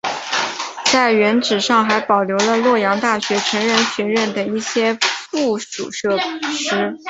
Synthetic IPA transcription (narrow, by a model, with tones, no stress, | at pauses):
t͡sa˥˩ɪɥɛ˧˥nʈ͡ʂɻ̩˨˩ʂɑ˥˩ŋxa˧˥ɪpɑ˨˩ʊljo˧˥ʊlə˧lwɔ˥˩jɑ˧˥ŋt̪a˥˩ɕɥɛ˧˥ʈ͡ʂʰɤ˧˥ŋɻə˥˧nɕɥɛ˧˥ɻə˥˩nd̪ə˨˩i˥˩ɕjɛ˥fu˥˩ʂṵ˨˩ʂɤ˥˧ʂɻ̩˧˥